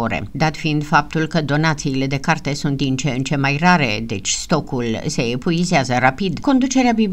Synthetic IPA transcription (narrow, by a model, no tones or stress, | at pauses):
oɾḛd̪at̪fiind̪fap̚t̪ulkəd̪o̞nat̪siːle̞d̪e̞kart̪e̞sunt̪̚d̪int͡ʃeent͡ʃe̞majraɾe̞d̪e̞t͡ʃʲst̪o̞kulse̞ːpuizeazərapid̪ko̞nd̪ut͡ʃe̞ɾeabib